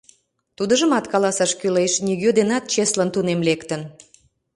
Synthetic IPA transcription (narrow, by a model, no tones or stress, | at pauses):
t̪ud̪əʒəmɑt̪kɑlɑsɑʃkylejʃnʲiɣød̪enɑt̪̚t͡ɕeslənt̪unemlekt̪ən